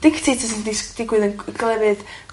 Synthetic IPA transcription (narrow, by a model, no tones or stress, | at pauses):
d̥ɪkʰtʰitʰəsindisd̥ɪɡwɨðənɡlˠɛvɨð